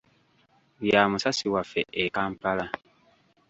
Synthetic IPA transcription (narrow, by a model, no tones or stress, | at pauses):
jaːmusasiwafɛʔekampala